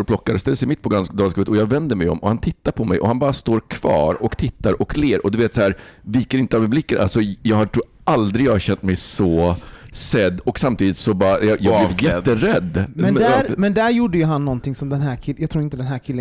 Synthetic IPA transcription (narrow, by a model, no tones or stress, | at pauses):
ɾplɔkːaɾst̪ɛlsɛɪmɪt̪̚ːpʰɔɡansd̪ɑːlskʉːət̪ɔjɑːɡvɛnd̪əmɛjɔ̰mɔhant̪ʰɪt̪ːaɾpʰɔmɛ̰jʔɔhanbɑːɾast̪oːɾkʰv̥ɑ̰ːɾɔkt̪ʰɪt̪ːaɾʔɔkleːɾɔd̪ɵveːt̪sahæːɾviːkəɾɪnt̪əavmɛblɪkːəɾʔa̰lsɔjɑːɡhatʰuː | ʔald̪ɾɪɡjɑhaɕɛnt̪mɛjsɔ | sɛd̪ːɔksamt̪ʰiːd̪ɪt̪sɔbɑːɾajɑjɑɡb̪ɪjɛt̪ːəɾɛd̪ːmɛnmɛmɛnd̪æɾjuːɖːəjɵɦanːɔnt̪ʰɪŋsɔmd̪ɛnɦæːɾkʰɪjɑɡt̪ʰɾuːɾɪnt̪əd̪ɛnɦæːɾkʰɪlːə